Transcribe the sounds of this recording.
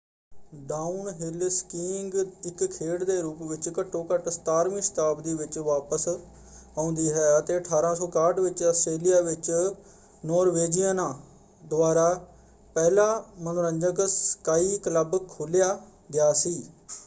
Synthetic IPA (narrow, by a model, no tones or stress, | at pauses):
ɖaːunɦɪlskiːŋɡɪkkʰeːɽd̪eːɾuːpʋɪt͡ʃkəʈʰːõːkəʈst̪aːɾmɪ̃ːst̪aːbd̪iːʋɪt͡ʃʋaːpəs | ãːʊ̃nd̪iːɦɛːət̪eːəʈʰaːɾãːsɔːkaːɖʋɪt͡ʃəsʈeːlɪjaːʋɪt͡ʃ | nɔːɾʋeːd͡ʒiənãː | d̪ʊaːɾaː | pɛːlaːmənoɾə̃ɲd͡ʒəkskaːiːkləbkʰoːlɪjaː | ɡɪjaːsiː